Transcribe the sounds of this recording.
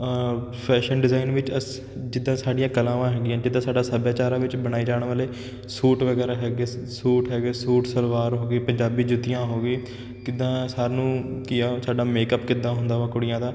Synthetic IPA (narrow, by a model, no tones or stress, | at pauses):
pʰɛːʃənɖɪzaːinʋɪt͡ʃə | d͡ʒɪd̪ːãːsaːɖɪjãːkəlãːʋãːɦɛːɡɪjãːd͡ʒɪd̪ːãːsaːɖaːsəbjaːt͡ʃaːɾãːʋɪt͡ʃbəñaːiːd͡ʒaːɳ̃ʋaːleː | suːʈʋəɡɛːɾaːɦɛːɡeːsuːʈɦɛːɡeːsuːʈsəlʋaːɾɦoːɡiːpəɲd͡ʒaːbiːd͡ʒʊt̪ɪjãːɦoːɡiː | kɪd̪ãːsaːɾnũːkɪjaːsaːɖaːmeːkəpkɪd̪ãːɦʊ̃nd̪aːʋãːkʊɽɪjãːd̪aː